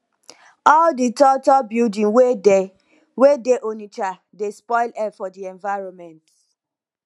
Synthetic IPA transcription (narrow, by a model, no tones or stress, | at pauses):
ɔlditɔtɔbildĩŋwede | wedeʔonit͡ʃa | despɔɪlɛfɔdiɛ̃ɱvaɪɹɔnmɛ̃nt